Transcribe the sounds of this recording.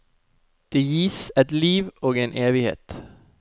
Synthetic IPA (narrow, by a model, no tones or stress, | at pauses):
d̪̥eːjiːsɛt̪liːʋoːɡeːnʔeːʋɪhḛːt̪